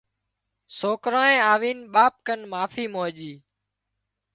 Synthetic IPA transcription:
soːkɾãːẽːaːʋiːnɓaːp̚kənmaːfiːmoːʄiː

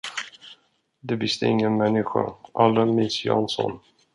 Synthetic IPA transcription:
d̪ɛvɪsd̪ɛɪŋːənmɛnːɪɧa̰ʔalːəmiːsjɑ̰nsɔn

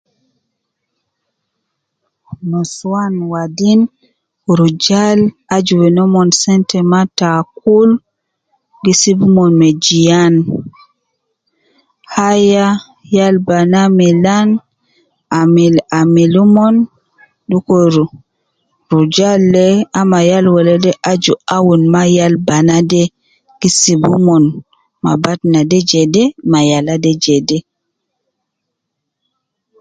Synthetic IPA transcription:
mɔswanwadin | ɾud͡ʒalad͡ʒuwɛnɔmɔnsɛntɛmatak̚ul | ɡisibumɔnmɛd͡ʒijan | haja | jalbanamɛlan | amilamilumɔn | ɗukoɾu | ɾud͡ʒalːɛamajalwɔlɛdɛʔad͡ʒuawunmajalbanadɛ | ɡ̥isibumɔn | ma̰batnadɛd͡ʒɛdɛmajaladɛd͡ʒɛdɛ

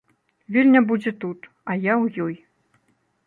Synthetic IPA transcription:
vʲelʲnʲɐbud͡zʲɛt̪ut̪ | ɐjawjɔj

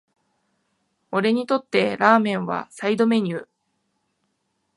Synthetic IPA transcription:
o̞ɾe̞ɲ̟it̪o̞t̪ːe̞ɾaːmẽ̞ɰ̃βa̰said̪o̞me̞ɲ̟ɯː

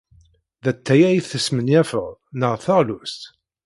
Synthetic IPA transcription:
ðæt̪ːæjæjiθəsmənjæfəʁnəʁθəʁlust̪

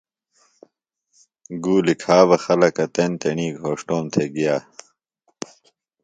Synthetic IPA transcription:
ɡuːlikʰaːʋɐxɐlɐkɐt̪ent̪eɳiːɡʱoːʂʈoːmt̪ʰeːɡijaː

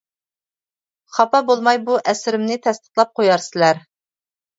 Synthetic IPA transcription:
χɑpɑbolˠmɑjbuʔɛsɪɾɪmnɪt̪ʰɛst̪ə̥χlˠɑp̚qʰojɑɾsɪlæɾ

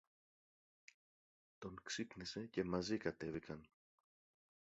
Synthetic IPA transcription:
t̪o̞ŋksipnise̞ce̞mɐzikɐt̪e̞vikɐn

